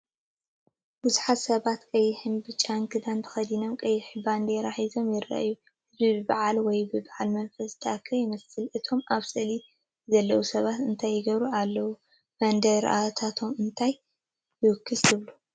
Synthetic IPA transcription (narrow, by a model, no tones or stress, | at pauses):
b̥ɨzuħat̪sɐβat̪kʼɐjːɪħɨmbɨt͡ʃʼaŋkʰɨd̪ant̪ʰɐ̥xɐd̪ino̞mkʼɐjːɪħɨband̪eɾaħizo̞mjɪrːa̰ʔjːu | hɨzbibɨbaʕalwɔjbɨbaʕalmɐnfɐst̪ʰakʰːɐjɪmɐsɨlʔɨt̪ʰo̞mʔaβsʼɨli | zɐlːɐwusɐβat̪ɨnt̪ʰajːɪɡɐβɾualːɐwu | b̥ɐnd̪ɐɾ̰ʔa̰t̪ʰat̪ʰo̞mɨnt̪ʰaj | jɨwɨkʰːɨst̪ʰɨβlu